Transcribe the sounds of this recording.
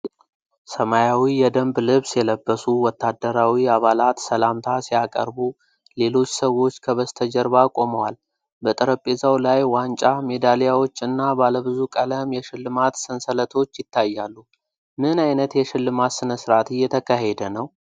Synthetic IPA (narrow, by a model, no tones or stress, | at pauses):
səmajawijɛd̪əmblɨβsjɛləbːəsuwɔt̪ːad̪ːəɾawiaβalat̪səlamt̪ʰasijakʼə̰ɾbu | le̞lo̞t͡ʃːsəwo̞t͡ʃːkʰəβəst̪ʰəd͡ʒəɾbakʼo̞məwal | bət̪ʼəɾəpʼːezawlajwant͡ʃʼame̞d̪alijawo̞t͡ʃːɨnːabaləβɨzukʼələmjɛʃɪlːɨmat̪sɨnsələt̪ʰo̞t͡ʃːjɪt̪ʰːajːalːu | mɨnajnət̪jɛʃɪlːɨmat̪sɨnəsɾat̪ɨjːɛt̪ʰəkʰaɦe̞d̪ənəw